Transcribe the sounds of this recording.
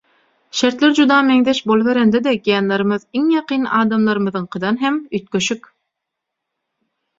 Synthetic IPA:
ʃeɾt̪lʲeɾd͡ʒud̪ɑːmeŋd̪eʃbolˠβeɾend̪ed̪ekijɑnleɾɯmɯðiŋjɑqʰɯːnɑːd̪ɑmlˠɑɾɯmɯðɯɴqʰɯd̪ɑnɦemyt̪̚køʃyk

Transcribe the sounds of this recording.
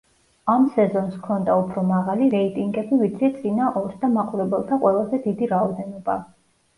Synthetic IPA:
amsɛzɔnskʰɔnd̪aupʰɾɔmaʁaliɾɛit̪ʼiŋɡɛbivit̪sʰɛt̪sʼinaʔɔlsd̪amaqʼuɾɛbɛlˠt̪ʰaqʼwɛlˠazɛd̪id̪iɾaɔd̪ɛnɔba

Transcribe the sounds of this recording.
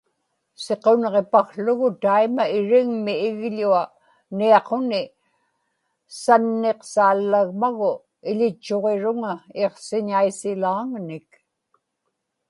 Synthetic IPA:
se̞qo̞nʁe̞paxɬʊɣʊt̪aimaɪɻɪŋmiːɣʎua | niɑqonɪ | sanːe̞qsaːlːaɣmaɣʊ | ɪʎɪt͡ʃːo̞ʁe̞ɻʊŋaeqsɪɲaisɪlaːŋnɪk

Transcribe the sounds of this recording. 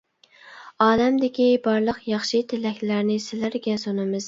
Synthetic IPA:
ɑːd̪ɛmd̪ɪkʲibɑɾlˠəqjɑχʃɨt̪ʰɪlɛkʲlæɾnɪsɪlæɾɡʲɛsonɨmɨz

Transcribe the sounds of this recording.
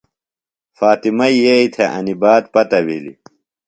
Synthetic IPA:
faːt̪imɐijeit̪ʰeʔɐ̰nibaːd̪pɐt̪ɐwilḭ

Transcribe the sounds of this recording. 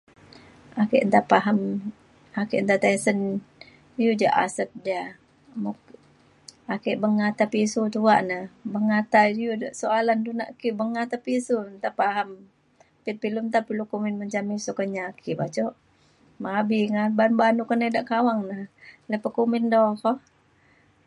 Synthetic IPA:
akiʔnt̪apaɦam | akiʔnt̪at̪asən | jud͡ʒaʔa̰səp̚dia | muk | akiʔbəŋat̪apisut̪uaʔnabəŋat̪ajudaʔsoaland̪una̰ʔkiʔbəŋat̪apisunt̪apaɦam | pit̪̚pilunt̪apilukuminməɲt͡ʃamisukəɲakʰiʔbat͡ʃɔʔ | mabiŋabanbanukənedaʔkawaŋnaləpəkumɪndɔkɔh

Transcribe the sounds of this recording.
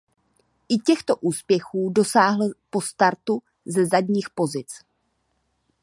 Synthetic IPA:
ʔɪcɛxt̪o̞ʔuːspjɛxuːdo̞saːɦl̩po̞st̪aɾt̪u | zɛzadɲiːxpo̞zɪt͡s

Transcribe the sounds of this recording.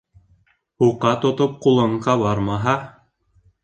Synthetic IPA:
huqːɑt̪ŏt̪op̚qulˠɤ̆ɴqɑβɑɾmɑɦɑ

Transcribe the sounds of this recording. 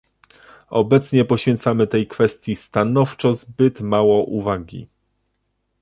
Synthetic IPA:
ɔbɛt̪sɲɛpɔɕfʲɛnt̪samɘt̪ɛjkfɛst̪ʲjist̪anɔft͡ʂɔzbɘt̪mawɔʔuvaɡʲḭ

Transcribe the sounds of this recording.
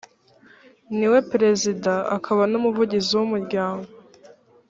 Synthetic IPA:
niwe̞pɾe̞zidaa̰kʰaβanomuvuɟiziwumuɾɟaːŋɡo

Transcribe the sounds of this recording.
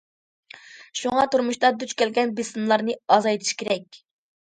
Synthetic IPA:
ʃuŋɑt̪ʰuɾmuʃt̪ɑd̪yt͡ʃkʲɛlɡʲɛnbɨsmlˠɑɾnɨɑzɑjt̪ʰɨ̥ʃkʲʰeɾɛkʲ

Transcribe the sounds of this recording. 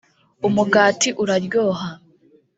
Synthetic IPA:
umuɡaːtiʔuɾaɾjoːɦa

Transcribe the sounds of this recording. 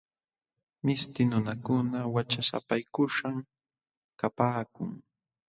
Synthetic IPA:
mɪst̪ɪnʊnakʊnawat͡ʃasa̰pajkʊʃaŋ | kapaːkʊŋ

